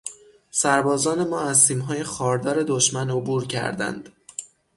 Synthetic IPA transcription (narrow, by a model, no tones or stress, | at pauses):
sæɾbɒːzɒːne̞mɒːæzt̪iːmɦɒːjexɒːɾd̪ɒːɾe̞d̪oʃmæno̞buːɾcʰæ̰ɾd̪æ̰nd̪̥